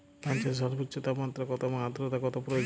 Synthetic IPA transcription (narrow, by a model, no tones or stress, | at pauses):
pant͡ʃas̬ɔɾbotːʃɔt̪amat̪ːɾɔkɔt̪ɔmaad̪ɾot̪akɔt̪ɔpɾojo